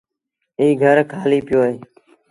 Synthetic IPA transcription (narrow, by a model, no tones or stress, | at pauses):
iːɡʱəɾkʰaːliːpɪjoːɦeː